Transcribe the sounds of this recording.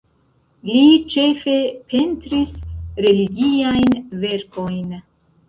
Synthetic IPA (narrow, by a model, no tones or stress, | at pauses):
lit͡ʃe̞fe̞pe̞ntɾisɾe̞liɡiajnve̞ɾko̞jn